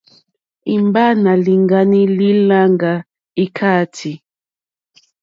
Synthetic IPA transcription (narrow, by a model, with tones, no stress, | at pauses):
i˨mba˦na˨li˨ŋɡa˦ni˦li˦la˦ŋɡa˨ | i˦kʰa˦˨tʰi˨